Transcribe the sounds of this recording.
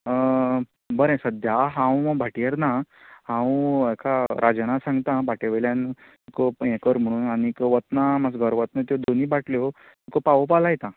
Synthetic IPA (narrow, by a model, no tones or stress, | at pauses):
bəɾɛ̃səd̪ʱjaɦãwməbʱaʈiəɾnahãwekʰaɾʔad͡znasãŋɡt̪ãbʱaʈeʋəljãn | ikoekəɾm̤əɽ̃uːnaɽ̃ikəʋət̪namad͡zɡʱəɾʋət̪nət̪̬jod̪oniːbaʈljo | t̪okopaʋopalajt̪ã